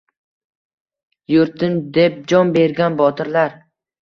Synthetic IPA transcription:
jʊɾt̪ʰɪnd̪e̞p̚d͡ʒɒnbe̞ɾɡʲanbɒt̪ʰɪɾlaɾ

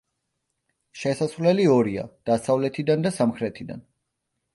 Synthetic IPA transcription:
ʃɛsasvlɛliɔɾia̰d̪̥asavlɛt̪ʰid̪and̪asamχɾɛt̪ʰid̪a̰n

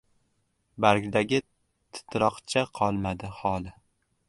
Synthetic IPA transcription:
baɾɡʲd̪aɡʲɪ | t̪ʰɪ̥t̪ʰɾɒqt͡ʃʰaqʰɒlˠmad̪ɪhɒlˠɪ

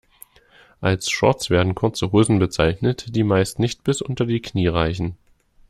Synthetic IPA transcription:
ʔalsʃɔ̰ɐt͡sv̥eːɐdn̩kʰʊɐt͡səɦoːzn̩bət͡saɪçnətd̥iːmaɪstnɪçt̚b̥ɪsʔʊ̰ntɐdiːkʰniːʁaɪçn̩

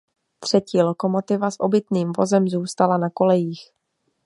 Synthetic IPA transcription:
t̪r̝̥ɛciːlo̞ko̞mo̞t̪ɪvasʔo̞bɪt̪niːmvo̞̰zɛmzuːst̪alanako̞lɛjiːx

